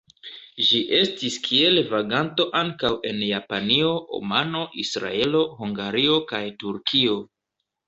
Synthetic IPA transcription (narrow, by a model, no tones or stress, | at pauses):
ʒiʔe̞stiskʰie̞lvaɡanto̞ʔaŋkawʔe̞njapanio̞ʔo̰mano̞ʔisɾa̰e̞lo̞huŋɡaɾio̞kajtuɾkʰio̞